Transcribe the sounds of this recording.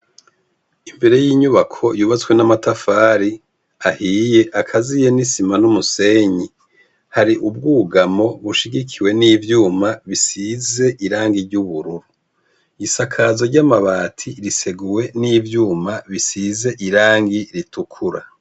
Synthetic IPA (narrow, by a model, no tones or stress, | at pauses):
imbe̞ɾe̞jiːɲuβakʰo̞juːβat͡swe̞namatafaːɾi | ahiːje̞ʔakʰazijenisimanumuse̞ɲi | haɾiʔub̚ɡuːɡamo̞βuʃiɡikʰiwe̞niːvjuːmaβisize̞ʔiɾaːŋɡiɾɟuβuɾuɾu | isakʰaːzo̞ɾɟamaβaːtʰiɾise̞ɡuwe̞niːvjuːmaβisize̞ʔiɾaːŋɡiɾitukʰuɾa